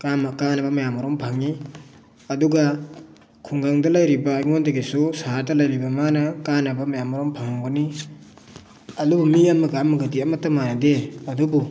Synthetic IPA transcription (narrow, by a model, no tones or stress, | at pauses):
kamakanɐbɐmajamɔɾɔmpʰaŋi | ɐduɡa | kʰuŋɡaŋdɐlajɾibɐːjŋondeɡisusaɦadɐlɐjɾibɐmanɐkanɐbɐmajamɔɾɔmpʰaŋaŋbɔni | ɐdubumiamːɐɡamːɐɡɐdiɐmɐtːɐmanɐdeɐdubu